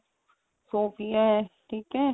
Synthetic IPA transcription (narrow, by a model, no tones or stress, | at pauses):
soːfijaɦɛʈʰiːkɦɛː